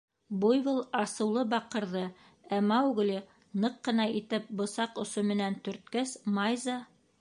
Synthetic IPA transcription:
bujbɤlˠɑsɤ̆wlˠɤbɑqɤ̆ɾðɤ | æmɑwɡ̆lɘ | nɤqːɤ̆nɑit̪ɘp̚bŏsɑqŏsomɘ̆nænt̪ɵ̆ɾt̪̚kæsmɑjzɑ

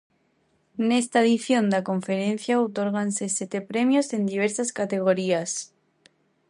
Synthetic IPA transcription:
nest̪aeðiθjo̞nd̪akõ̞ɱfeɾẽn̟θjaot̪oɾɣanseset̪epɾemjose̞nd̪iβ̞eɾsaskat̪eɣ̞oɾias

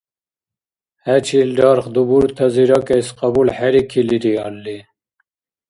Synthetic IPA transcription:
hæt͡ɕʰilɖɑɾχd̪ubuɾt̪ʰaziɾɑkeisqɑbulħæɾikʰiliɾiɑlːi

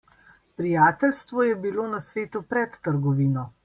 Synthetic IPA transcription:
pɾijaːt̪ɛlst̪ʋɔjɛbiloːnasʋeːt̪upɾɛt̪ːəɾɡɔʋiːnɔ

